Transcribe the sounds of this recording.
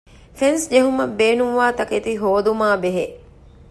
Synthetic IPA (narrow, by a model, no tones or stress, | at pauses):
fensd͡ʒeɦumɐbeːnuʋʋaːt̪ɐket̪iɦoːd̪umaːbeɦe